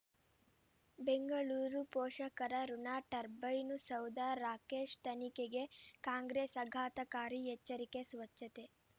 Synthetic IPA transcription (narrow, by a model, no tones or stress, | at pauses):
beŋɡɐɭuːɾupɔːʃɐkɐɾɐɾunaːʈɐɾbɐjnusɐwd̪aːɾaːkeːʃt̪ɐnikeɡe̞kaːŋɡɾeːsɐɡʱaːt̪ɐkaːɾiɦɛt͡ʃːɐɾikesʋɐt͡ʃːɐt̪e